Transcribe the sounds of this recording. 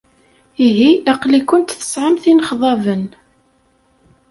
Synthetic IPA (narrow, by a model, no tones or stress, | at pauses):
iɦiæqlikʊnt̪θə̥sʕəmθinχðˤɑvən